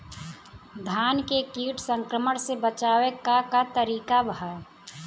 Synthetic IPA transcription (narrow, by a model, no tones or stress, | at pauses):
d̪ʱaːnkekiːʈʰsə̃ŋkɾəməɽsebət͡ʃaːwekakat̪əɾiːkabʱaɾ